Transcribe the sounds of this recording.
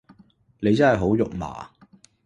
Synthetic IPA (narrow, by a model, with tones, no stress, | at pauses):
ne˨˧jt͡sɐ˥nhɐ˨jɦo˨˥wjʊ˨k̚ma̰ː˨